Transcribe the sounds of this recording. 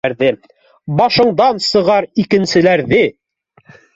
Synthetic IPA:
ɾðɘ | bɑʃɤ̆ɴd̪ɑnsɤ̆ʁɑɾikɘ̆nsɘ̆læɾðɘ

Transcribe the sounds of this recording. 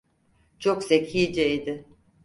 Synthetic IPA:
t͡ʃʰoksechiːd͡ʒɛid̪ɪ

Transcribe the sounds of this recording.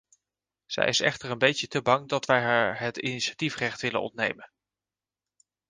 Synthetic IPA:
z̥ɛ̰jɪsɛ̰χtəɹənbejtətəbɑŋdɑtʋɛjɦaːɹɦətiniʃḁtifrɛχtʋɪlə̰nɔ̰ntnḛjmən

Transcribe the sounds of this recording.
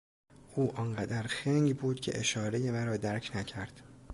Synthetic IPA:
ʔuːʔɒnɢæd̪æɾxeŋɡbuːd̪̥cʲʰe̞̰ʔeʃɒːɾeje̞mæɾɒːd̪æɾcʰnæcʰæɾd̪̥

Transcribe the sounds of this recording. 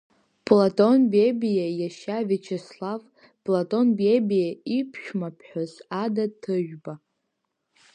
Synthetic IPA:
pʼlatʼonbebijajaʃavit͡ʃʰeslav | pʼlatʼo̞nbebijaipʰʃᶣmapʰħᶣozadatʰɨʒᶣba

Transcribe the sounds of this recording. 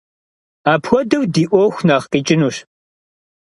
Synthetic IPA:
aːpʰxʷɔdɨwdiːʔʷɔxʷnaːχqiːt͡ʃʼɪnuːɕ

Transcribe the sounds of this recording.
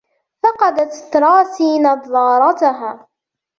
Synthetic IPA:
fɑqɑd̪at̪t̪ɾˤɑːsiːnɑðˤːɑːɾˤɑt̪ʊɦaː

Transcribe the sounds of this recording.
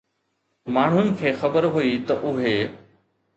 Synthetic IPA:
maːɳ̤ʊnɪ̆kʰeːxɐbəɾɦuit̪ɐʔʊɦeː

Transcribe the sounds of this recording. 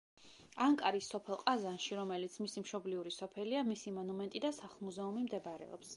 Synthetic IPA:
aŋkʼaɾisːɔpʰɛlˠqʼazanʃiɾɔmɛlit̪sʰmisimʃɔbliuɾisɔpʰɛliamisimɔnumɛnt̪ʼid̪asaχlˠmuzɛumimd̪ɛbaɾɛ̰ɔ̰ps

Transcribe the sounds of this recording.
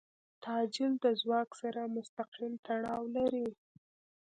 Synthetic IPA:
t̪ʰɑd͡ʒɪld̪əzwɑksaɾamʊst̪aqilt̪aɽɑwlaɾi

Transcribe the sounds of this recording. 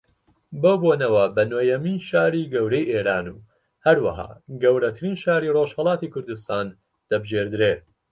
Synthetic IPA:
boːboːnɐwɐbɐnoːjɐminʃaːɾiːɡɐwɾejʔeːɾaːnuː | hɐɾwɐ̰ɦa̰ːɡɐwɾɐt̪ʰɨɾiːnʃaːɾiːroːʒhɐlˠɑːt̪iːkʰʊɾd̪ust̪aːn | d̪̥ɐbɨʒeːɾd̪ɨɾeː

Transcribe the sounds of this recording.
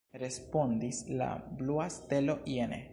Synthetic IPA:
ɾe̞spo̞ndisla̰bluaste̞lo̞ʔienḛ

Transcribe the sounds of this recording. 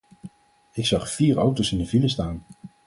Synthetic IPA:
ɪksɑχfiːɹawtosɪndəviləstaːn

